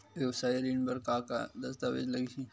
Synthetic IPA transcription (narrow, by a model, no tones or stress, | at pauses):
ʋewsaːiɾiːnbɐɾkaːka̰d̪ɐst̪aʋḛd͡ʒlɐɡit͡ʃʰi